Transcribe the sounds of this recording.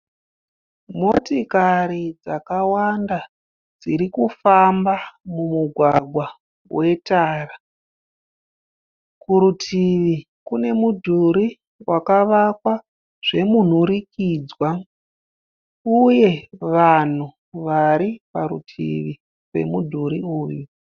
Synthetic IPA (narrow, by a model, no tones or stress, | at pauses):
motikaɾid͡zakawanda | d͡ziɾikufambamumuɡʱwaɡʱwa | wʔe̞taːra | kuɾutʰiʋi | kune̞mudʱuɾi | wʔakaʋakwa | ʐ̥e̞mun̤uɾikiːd͡zwa | uje̞ʋan̤u | ʋaɾipaɾṵtʰḭʋi | ʋe̞̰mudʱuɾiuːju